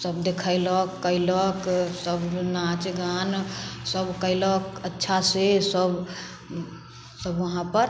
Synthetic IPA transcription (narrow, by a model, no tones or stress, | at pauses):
səbd̪ekʰələkːəɪləksəbnat͡ʃɡansəbkəɪləkətːʃʰasesəb | səbʋəɦãpəɾ